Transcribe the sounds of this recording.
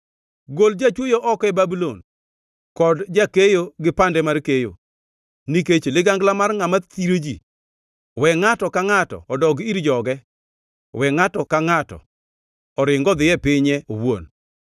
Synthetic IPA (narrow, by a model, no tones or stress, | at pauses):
ɡold͡ʒat͡ʃwojoʔɔkɛbabilon | kɔdd͡ʒakejoɡɪpandɛmarkejo̰ | niket͡ʃlɪɡaŋɡlamarŋamat̪iɾod͡ʒḭ | wɛŋatɔkaŋatɔ̰ɔdɔɡiɾd͡ʒɔɡɛ | wɛŋatɔkaŋatɔ̰ | ɔɾɪŋɡɔd̪ɪjɛpɪɲɛowo̰n